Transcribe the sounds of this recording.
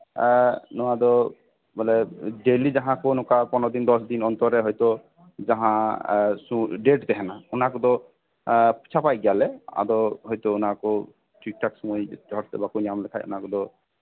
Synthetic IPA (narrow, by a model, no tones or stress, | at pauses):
nɔad̪ɔ | bɔlɛɖelid͡ʒaɦãkonɔkapɔnɔd̪ind̪ɔsd̪inɔnt̪ɔɾɛɦɔjt̪ɔ | d͡ʒaɦãsuɖeʈd̪ɛɦɛnaunakɔd̪ɔ | pt͡ʃʰapajɡjalɛa̰d̪ɔɦɔjt̪ounakɔ | ʈik̚ʈaksɔmɔjdʱɔɾɛbakuɲamlɛkʰajṵnakɔd̪ɔ